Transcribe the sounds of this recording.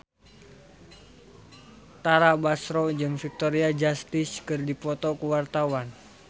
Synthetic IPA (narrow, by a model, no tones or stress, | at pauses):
t̪aɾabasɾɔd͡ʒɨŋfik̚t̪ɔɾiad͡ʒast̪ɪskɨrdipɔt̪ɔkuwart̪awan